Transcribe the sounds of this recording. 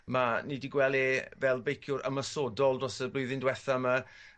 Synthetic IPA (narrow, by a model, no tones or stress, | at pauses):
manidiɡwɛlˠevɛlˠbejkʰjʊɾə̰məsɔdɔlˠdrɔsəblˠʊɨðɪndwɛθama